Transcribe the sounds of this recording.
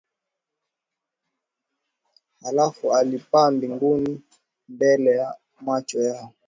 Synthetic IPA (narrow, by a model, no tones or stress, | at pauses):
alafualipambiŋɡuni | mbɛlɛja | mwat͡ʃɔjaɔ